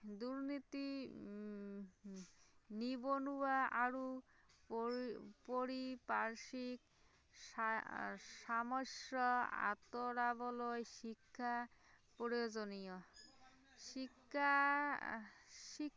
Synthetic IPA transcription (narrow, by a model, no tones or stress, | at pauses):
d̪uɾnit̪i | nibonuwaʔaɾu | poɾipaɾʃik | aʃamɔʃɔa̰t̪oɾabɔlojʃikʰːapoɾijod͡ʑonijɔ | ʃikʰːa | ʃi